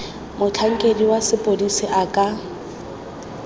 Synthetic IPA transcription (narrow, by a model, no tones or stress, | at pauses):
mʊt͡ɬʰaŋ̩kʼediwasɪpʼodisɪʔakʼa